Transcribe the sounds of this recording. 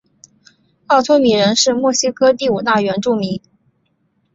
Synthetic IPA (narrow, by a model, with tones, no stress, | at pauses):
ɑ˥˩ʊt͡s̪ʰwɔ˥mi˨˩ɻə˧˥nʂɻ̩˥˧mwɔ˥˩ɕi˥kʰɤ˥t̪i˥˩u˨˩t̪a˥˩ɥɛ˧˥nʈ͡ʂu˥˩mi˧˥ŋ